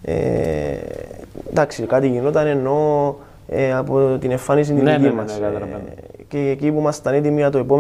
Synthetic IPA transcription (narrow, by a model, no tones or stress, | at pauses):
ḛ | d̪aksikat̪iʝinot̪ɐne̞nːo̞ | eɐpot̪ine̞ɱfːanis̬ind̪inimːɐs | cecipumɐst̪ɐnit̪̬imiɐt̪oepom